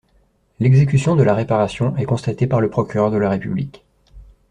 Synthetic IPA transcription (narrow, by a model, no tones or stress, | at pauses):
lɛɡzek̬ʲysjɔ̃d̪əlaʁepaʁasjɔ̃ɛkɔ̃st̪at̪epaʁləpχɔkʲyʁœʁd̪əlaʁepyblik